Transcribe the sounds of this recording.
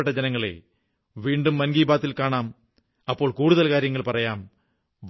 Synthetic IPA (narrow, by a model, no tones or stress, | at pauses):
eʈːɐd͡ʑenɐŋːɐɭḛ | ʋiːɳɖumːɐnɡiːbaːt̪ːilkaːɳaːm | ɐpːo̞ːɭkuːɽuðɐlkaːɾjɐŋːɐɭpɐrɐjaːm | ʋ